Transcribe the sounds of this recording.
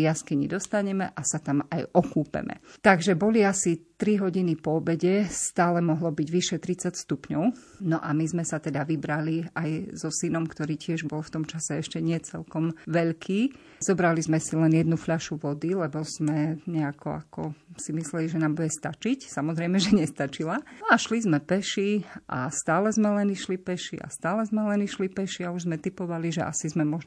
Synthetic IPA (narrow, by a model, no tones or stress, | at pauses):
jaskiɲḭd̪ɔst̪aɲɛmɛʔasat̪amajʔɔkuːpɛ̰mɛ̰t̪aɡʒɛbɔliasit̪ɾiɦɔɟinipɔbɛɟɛst̪aːlɛmɔɦlɔbiɟʋiʃɛt̪ɾit͡sacst̪upɲɔʊ | nɔʔamizmɛsat̪ɛd̪aʋibɾaliajzɔsinɔmkt̪ɔɾiːcɪɛʒbɔlft̪ɔmt͡ʃasɛɛʃcɛɲɪɛt͡sɛlkɔmʋɛʎkʰiː | z̥ɔbɾalizmɛsilɛnjɛd̪nufʎaʃuʋɔd̪ilɛbɔz̥mɛɲɛakʰɔ̰a̰kʰɔ̰simislɛliʒɛnaːmbuɟɛst̪at͡ʃicsamɔzɾɛɪmɛʒɛɲɛst̪at͡ʃilanɔaʃlizmɛpɛʃiʔa̰st̪aːlɛzmɛlɛniʃlipɛʃḭʔa̰st̪aːlɛzmɛlɛniʃlipɛʃiauʒzmɛt̪ipɔʋaliʒɛ̰ʔa̰sizmɛmɔʒ